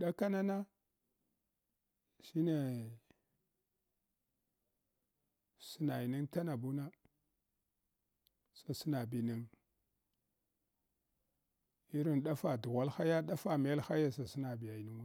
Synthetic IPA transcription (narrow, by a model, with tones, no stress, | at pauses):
ɗa˦ka˦na˦na˦ | ʃi˦ne˨ | si˨na˨ji˨ni˦ŋta˦na˨bu˦na˦ | sa˨si˦na˨bi˨ni˦ŋ | i˦ɾi˨nɗa˦fa˨du˨ɣa˦lxa˦ja˦ɗa˦fa˨me˨˦lxa˦ja˦sa˨si˦na˨bi˨ja˨ni˦ŋu˦